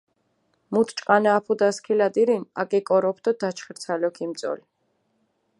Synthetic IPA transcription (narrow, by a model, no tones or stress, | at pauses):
mut̪ʰt͡ʃʼqʼanaːpʰud̪askʰilad̪iɾina̰kʼɛkʼɔɾɔpʰd̪ɔd̪at͡ʃʰχɛɾsʰalɔkʰimt̪sʼɔ̰li